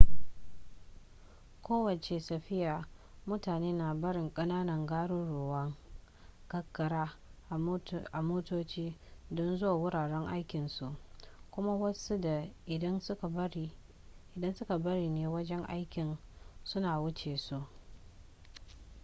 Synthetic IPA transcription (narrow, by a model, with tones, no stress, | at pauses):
kʷʰoː˦wɐ˨t͡ʃe˨sɐ˨ɸɪ˦jaː˨mʊ˦taː˨neː˦na˨bɐ˦ɽɪ˨ŋkʼɐ˦naː˦nɐ˨ŋɡaː˦ɽʊ˦nɽʊ˨wɐ˦ŋ | kɐ˦kːɐ˨ɽaː˦˨˦ | ʔa˨moː˦toː˦t͡ʃiː˦dɔ˦nzʊ˦waː˨wʊ˦ɽaː˨ɽɛ˦ŋʔa˦jkʲɪ˨nsu˨ʔkʷʊ˦ma˦wɐ˦su˦da˨ɪ˨˦n˦˨˦i˦ | ʔɪ˨dɐ˦nsʊ˦ka˨bɐ˦ɾiː˨neː˨wɐ˦d͡ʒɛ˦ŋʔa̰˦jkʲɪ˨nsʊ˦naː˨wʊ˦t͡ʃeː˨su˦ʔ